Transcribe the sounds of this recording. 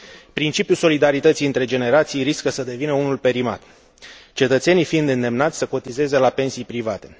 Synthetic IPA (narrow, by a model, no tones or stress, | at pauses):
pɾint͡ʃipjulso̞lid̪aɾit̪ət̪sijɨnt̪ɾe̞d͡ʒe̞ne̞ɾat̪sijɾiskəsəd̪e̞vinəunulpe̞ɾima̰t̪ | t͡ʃe̞t̪ət̪se̞nijfind̪ɨnd̪e̞mnat̪sʲsəko̞t̪ize̞ze̞lape̞nsijpɾivat̪e